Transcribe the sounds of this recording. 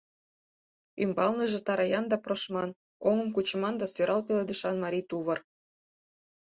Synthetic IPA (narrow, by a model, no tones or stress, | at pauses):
y̰mbɑlnɤʒĕt̪ɑɾɑjɑnd̪ɑproʃmɑn | oŋɤ̆mkut͡ɕmɑnd̪ɑsøɾʔɑlpʲelɑd̪iʃɑnmɑɾʲit̪uβɤ̆r